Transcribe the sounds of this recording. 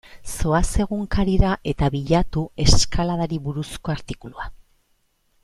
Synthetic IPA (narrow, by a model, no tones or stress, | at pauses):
so̞ase̞ɣ̞uŋkaɾiɾaʔe̞t̪aβiʎat̪ue̞skalaðaɾiβuɾusko̞aɾt̪ikulua